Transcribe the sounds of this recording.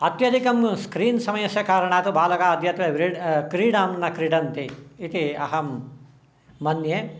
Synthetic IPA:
ɐt̪jɐd̪ʱikɐmskɾiːnsɐmɐjɐsjɐkaːɾɐɳ̃aːt̪ubʱaːlɐkaːɐd̪ʱjɐt̪ʋɐʋɾiɖkɾiːɖaːmnɐkɾiɖɐnt̪iːt̪iɐɦɐmː | ɐnjeː

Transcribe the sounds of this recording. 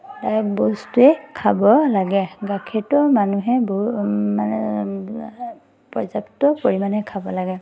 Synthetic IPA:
dajɔk̚bɔstuɛkʰabɔlaɡɛɡakʰɛtɔmanuɦɛbɔma | pɔzaptɔpoɹimanɛkʰabɔlaɡɛ

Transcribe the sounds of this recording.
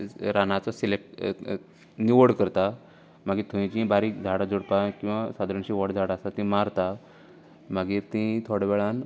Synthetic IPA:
ɾanat͡sɔsilek̚ʈ | niʋəɽkəɾt̪a | maɡiːt̪ʰoĩt͡ɕĩbaɾiːkd͡zʱaɽad͡zoɽpakĩw̃ʋasad̪ɾəɳɕĩʋɔʈd͡zʱaɽaast̪at̪ĩmaɾt̪a | maɡiːɾt̪ĩt̪ʰoɽʋɛɭan

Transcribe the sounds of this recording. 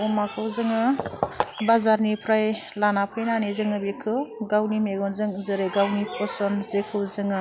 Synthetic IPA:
ɔmakʰɯwzɯŋɯ | bazaɾnipʰɾajlanapʰɯjnanizɯŋɯbikʰɯɡawnimeɡɔnzɯŋzɯɾeɡawnipʰɔsɔnzekʰɯwzɯŋɯ

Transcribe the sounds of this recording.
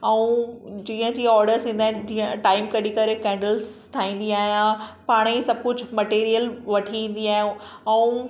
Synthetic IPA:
ɛũd͡ʑĩːə̃d͡ʑiːɔːɾɖəɾsĩːnd̪aːɪ̃d͡ʑiə̃ʈaːɪmkɐɗikɐɾekɛ̃ːɳɖəlzʈʰaːĩːn̆d̪iaːɦijãpaːɽ̃isɐb̚kʊd͡ʑʱmɐʈeːɾijəlʋɐʈʰiĩːn̆d̪iaːɦɪ̃ | ɛũ

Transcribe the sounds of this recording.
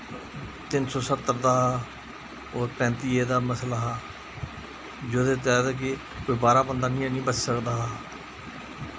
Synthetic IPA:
t̪ɪnsɔːsət̪ːəɾd̪aːɦaː | oːɾpɛ̃ːnt̪iːeːd̪aːməslaːɦaː | d͡ʒoːd̪eːt̪̬aːd̪eːk̬e | koːiːbaːɾaːbənd̪aːnĩːnĩːbət͡ʃsəkd̪aːɦaː

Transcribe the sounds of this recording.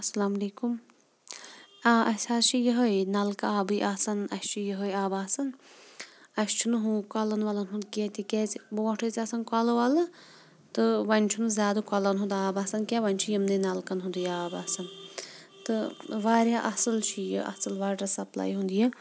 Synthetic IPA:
ɐsɐlaːmɐleːkum | aːʔɐsʰaːʃʰijɐɦɐjnɐlkaaːbɨjʔaːsɐnɐst͡ʃʰijəɦəjaːbaːsɐn | ɐst͡ʃʰunɦũkalɐnʋɐlɐnɦũnd̪kʲeːt̪ikʲeːt͡sboːʈʰət͡sʲɐsɐnkɐlɐʋalɐ | t̪ɨʋɐnʲt͡ʃʰunɨzʲaːd̪ɐkɐlɐnɦund̪aːbaːsɐnkʲaʋɐnʲt͡ʃʰujimnɐnɐlkɐnɦũnd̪ɨjaːbaːsɐn | t̪ɨʋaːɾʲjaːʔɐsɨlt͡ʃʰijə̰ʔɐ̰sɨlʋaːɾɾɐsɐpla̰jɦũnd̪iji

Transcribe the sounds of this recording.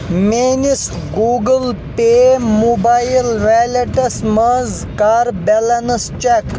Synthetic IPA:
meːnis | ɡuːɡəlpemubajilʋaleʈɐsmɐz | kaːɾbelɐnɐst͡ʃek

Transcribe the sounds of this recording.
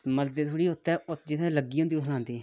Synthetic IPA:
məld̪eːt̪ʰʊːɽiːʊt̪ːɛːʊt̪d͡ʒɪt̪ʰɛ̃ːləɡːiːɦõnd̪iːot̪ɦəlãːnd̪eː

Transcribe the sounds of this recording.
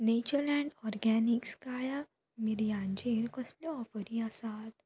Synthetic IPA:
net͡ɕəlɛ̃ɳɖɔɾɡɛnikskaɭa | miɾjãnd͡ʑeɾkəsljɔɔfəɾĩasat̪

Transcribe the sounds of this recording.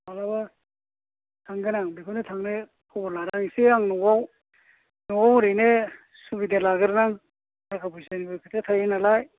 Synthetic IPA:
balaba | tʰaŋɡɯnaŋbikʰanetʰaŋne | kʰɔɔɾlaɾaŋiseaŋnɔwaw | nɔwawɾɯjne | subidelaɡɯɾnaŋ | tʰakʰabujsanibojkʰɯtʰatʰajenalaj

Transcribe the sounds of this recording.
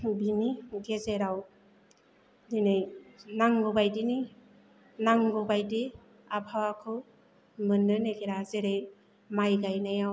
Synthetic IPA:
biniɡezeɾaw | dinejnaŋɡubajdini | naŋɡɔbajdi | apʰawakʰɯ | mɯnːɯneɡeɾazeɾej | majɡajnajaw

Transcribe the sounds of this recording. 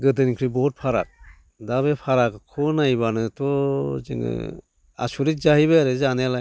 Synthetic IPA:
ɡɯtɯnkʰɾibɔt̚pʰaɾa̰k̚ | daβepʰaɾakkʰɔnajβanɯtɔzɯ̰ŋɯ̰ | a̰suɾit̚zaɦiβɯaɾɯzanejalaj

